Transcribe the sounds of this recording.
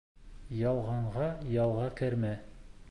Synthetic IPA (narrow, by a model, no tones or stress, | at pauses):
jɑlˠʁɑɴʁɑjɑlˠʁɑkɘ̆ɾmæ